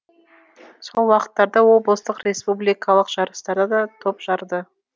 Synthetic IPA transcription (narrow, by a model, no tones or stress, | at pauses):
so̞lˠwɑqə̥t̪ːɑɾd̪ɑwo̞blˠəst̪əqrʲe̞spublʲijkɑlˠəqʒ̥ɑɾəst̪ɑɾd̪ɑd̪ɑt̪ʰopʒ̥ɑɾd̪ə